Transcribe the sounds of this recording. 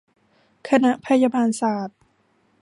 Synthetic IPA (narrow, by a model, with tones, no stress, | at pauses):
kʰa˧na˦˥ʔpʰa˧jaː˧baː˧nsaː˩˦t̪̚